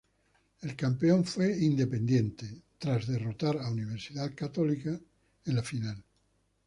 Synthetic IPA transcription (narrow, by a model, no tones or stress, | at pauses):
elkampeoɱfweind̪epẽnd̪jẽnt̪et̪ɾazðerot̪aɾauniβ̞eɾsiðaðkat̪olika | enlafinal